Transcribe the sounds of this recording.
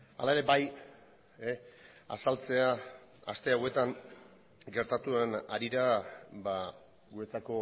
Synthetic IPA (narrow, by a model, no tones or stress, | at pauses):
a̰lae̞ɾe̞baj | e | a̰salt͡se̞aast̪e̞awe̞t̪an | ɡe̞ɾt̪at̪uenaɾiɾaba | ɡue̞t͡sako̞